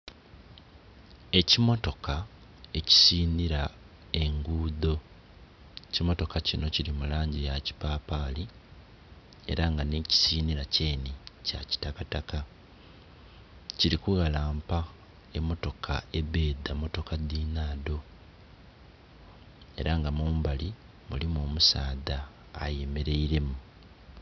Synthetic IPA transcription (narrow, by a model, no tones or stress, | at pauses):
e̞cimo̞to̞ka | e̞ci̥siːniɾa | e̞ŋɡuːðo̞ | cimo̞to̞kacino̞ciɾimulaːɲɟijaci̥papaːli | e̞̰ɾaŋɡane̞ːci̥siːniɾace̞ːnica̰ci̥takataka | ciɾikuɣalaːmpa | e̞mːo̞to̞kʰa̰e̞βe̞ːdamo̞to̞kadiːnaːdo̞ | e̞̰ɾaŋɡamuːmbali | mṵlimo̞ːmusaːða̰ː | jeme̞ɾe̞iɾe̞mu